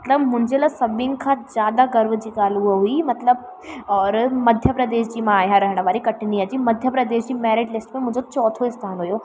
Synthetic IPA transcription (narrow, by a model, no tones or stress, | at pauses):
mɐt̪ləbmʊ̃ɦɪ̃ɲd͡ʑelasɐbʱɪ̃nkʰãzjaːd̪aɡɐɾʋd͡ʑiːɡaːluɦuimɐt̪ləb̚ | ɔːɾmɐd̪ʱjəpɾɐd̪eːʃd͡ʑiːmãaːɦãɾɐɦɪɽ̃ʋaːɾikɐʈʰɪniɐd͡ʑimɐd̪ʱjəpɾɐd̪eːʃd͡ʑiːmɛːɾɪɖlɪsʈmẽmʊ̃ɦɪ̃d͡ʑot͡ɕɔːt̪ʰoɪst̪ʰaːnɦujo